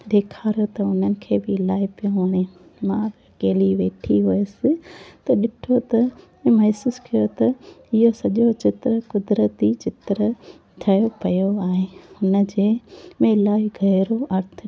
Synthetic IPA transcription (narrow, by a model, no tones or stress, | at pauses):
ɗ̪eːkʰaːɾjot̪ɐʊn̤ənɪ̆kʰeːbɪlaːipijõaːɽẽ | mãbɐkeːliʋeːʈʰiɦʊesɪt̪ɐɗɪʈʰot̪ɐ | mɐɦsuːskijot̪ɐɪɦosɐʄot͡ɕɪt̪ɾəkʊd̪ɾət̪it͡ɕɪt̪ɾə | t̪ʰɐjopɐjoaːɦẽʊnə̆d͡ʑeːmẽlaːɡʱɐɦɪɾoɐɾt̪ʰ